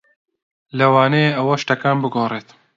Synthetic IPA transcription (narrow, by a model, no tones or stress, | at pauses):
lɐwaːneɐwɐʃʈɐkaːmbɨɡoːreːt̪